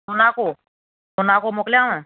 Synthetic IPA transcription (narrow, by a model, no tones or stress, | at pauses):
ʊnaːkoː | ʊnaːkomʊkljãːõː